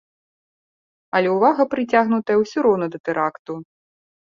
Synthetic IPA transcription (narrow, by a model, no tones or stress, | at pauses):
ɐlʲɛwvaɣɐpɾɨt͡sʲaɣnut̪ɐjɐwsʲuɾɔwnɐd̪ɐt̪ɛɾakt̪u